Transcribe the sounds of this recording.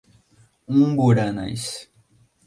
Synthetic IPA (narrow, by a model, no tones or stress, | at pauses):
ũbuɾana̰js